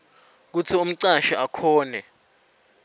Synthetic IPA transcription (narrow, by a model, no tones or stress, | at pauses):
k̬utʰium̩ǀaʃaʔakʰɔːnɛ